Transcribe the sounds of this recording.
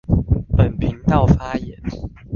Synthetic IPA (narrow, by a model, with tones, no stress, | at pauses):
pə˨˩npʰi˨˦ŋt̪ɑ˥˨ʊfa˦˥jɛ˨˦n